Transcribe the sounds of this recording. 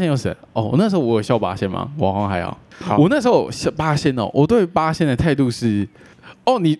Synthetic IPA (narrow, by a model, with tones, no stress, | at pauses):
ɛ˥˧njo˨˩ʊʂə̰˨˦nɔ˥˩wɔ̰˨˩na˥˩ʂɻ̩˧˥xo˥˧˩wɔ˧˥jo˨˩ɕjɑ˥ʊpa̰˥ɕjɛ˥˩nma̰˨˩wɑ̰˨˩ŋxwɑ˧˥˦ŋxa˧˥ɪjɑ̰˨˦ʊwɔ˨˩na˥˩ʂɻ̩˧˥xo˥˩˨ɕɑ˥˧pa˦˥ɕjɛ˥nɔ̰˨wʔɔ˨˩t̪we˥˩ɪpa˦˥ɕjɛ˥˧n˥˧˩t̪ʰa˥˧ɪt̪̬u˥˧ʂɻ̩˥˩ | ɔ˥˩ni˨˩